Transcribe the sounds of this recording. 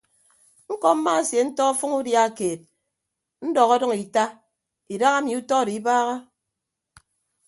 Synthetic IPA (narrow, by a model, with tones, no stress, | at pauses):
ŋ̩˦kɔ˦m̩˦ma˦a˨sje˨n̩˦tɔ˦ɔ˦fɔ˦ŋu˦dja˦˨keː˨t̚ | n̩˦dɔ˨ɣɔ˦dɔ˦ŋi˨ta˦ | i˨da˦ɣa˦mi˨u˦tɔ˦˨di˨i˦baː˦ɣa˦